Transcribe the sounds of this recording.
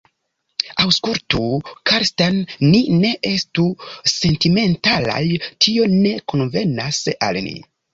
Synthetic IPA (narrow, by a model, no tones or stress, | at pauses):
awskultukʰaɾstanːine̞ʔe̞stuse̞ntime̞ntala̰jtʰio̞ne̞konve̞nasa̰lnḭ